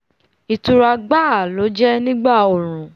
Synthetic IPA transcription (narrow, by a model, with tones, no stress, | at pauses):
i˨tu˧ɾa˧ɡ͡ba˦˨a˨lo˨˦d͡ʒɛ˦nĩ˦ɡ͡ba˦˨o˨ɾ̃ũ˨